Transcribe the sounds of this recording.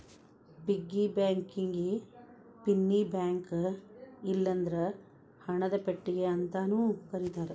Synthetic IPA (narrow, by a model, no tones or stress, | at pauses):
biɡːibjaːŋkiŋɡi | pinːibjaːŋk | ilːɐnd̪ɐɾe | hɐɳɐd̪ɐpeʈːiɡeɐnt̪ɐnuːkɐɾit̪aːɾe